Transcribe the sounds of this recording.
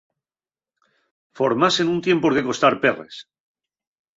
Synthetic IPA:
fo̞ɾmase̞nunt̪je̞mpoɾke̞ko̞st̪aɾperḛs

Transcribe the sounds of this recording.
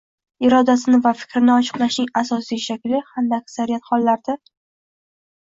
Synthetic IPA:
ɪɾɒd̪asɪnɪvafɪ̥kʲɾɪnɪɒt͡ʃʰɨ̥qlˠaʃnɪŋasɒsijʃakʲlɪhamd̪aːkʲsaɾijat̪χɒlˠːaɾd̪ɪ

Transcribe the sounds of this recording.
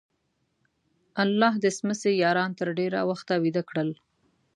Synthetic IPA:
alːɑɦd̪əsməsejɑɾɑnt̪əɾɖeɾa̰waxt̪awid̪akɽəl

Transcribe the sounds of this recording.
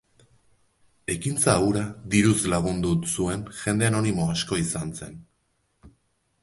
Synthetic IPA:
e̞kint͡sauɾaðiɾuzlaɣ̞und̪usue̞nʝe̞nd̪e̞ano̞nimo̞asko̞isanse̞n

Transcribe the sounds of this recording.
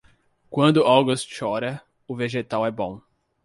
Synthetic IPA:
kwɐ̃nd̪ʊʔawɡʊst̪ʃɔɾɐ | ʊveʒet̪awɛbõ

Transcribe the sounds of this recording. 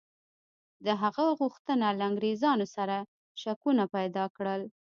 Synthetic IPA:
d̪əɦaɣaɣuxt̪ənalaŋɡɾezɑnosaɾa | ʃakunapajd̪ɑkɽəl

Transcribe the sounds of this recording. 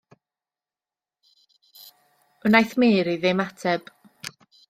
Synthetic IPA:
ənajθmeːɾiðɛmatʰɛb̥

